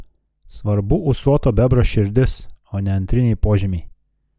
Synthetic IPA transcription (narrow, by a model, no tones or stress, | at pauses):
sʋɐɾbʊʊsuɔt̪oːbʲɛbɾoʃʲɪɾʲd̪ʲɪsoːnʲɛɐnʲt̪ʲɾʲɪnʲɛɪpoːʒʲɪmʲɛ